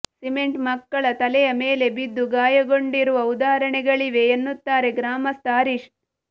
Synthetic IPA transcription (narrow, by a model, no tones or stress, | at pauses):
sime̞ɳʈmɐkːɐɭɐt̪ɐlɛjɐmeːle̞bid̪ːuɡaːjɐɡo̞ɳɖiɾuʋɐud̪aːɾɐɳɛɡɐɭiʋe̞ːnːut̪ːaːɾe̞ɡɾaːmɐst̪ʰaːɾiʂ